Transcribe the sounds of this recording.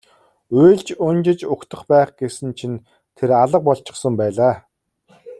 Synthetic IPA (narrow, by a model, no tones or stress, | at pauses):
ujɮt͡ɕʊnt͡ɕɪ̆t͡ɕʊkt̪ʰə̆χpæːχɡ̥esɘ̆nt͡ɕʰin | t̪ʰeɾaɮə̆q̚pɔɮt͡ɕɪ̆χsə̆mpæːɮaː